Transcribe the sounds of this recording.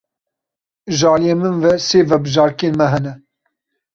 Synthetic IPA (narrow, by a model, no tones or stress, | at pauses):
ʒɑːlijemɨnvɛseːvɛbɨʒɑːɾkeːnmɛɦɛnɛ